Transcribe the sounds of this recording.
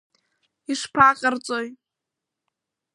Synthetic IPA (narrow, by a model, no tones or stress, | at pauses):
iʂpʰaqʲʼərt͡sʼoj